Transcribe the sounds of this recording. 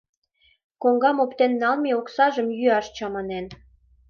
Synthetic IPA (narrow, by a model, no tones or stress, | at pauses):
koŋɡɑmopt̪enːɑlmeoksɑʒəmjyɑʃt͡ɕɑmɑnen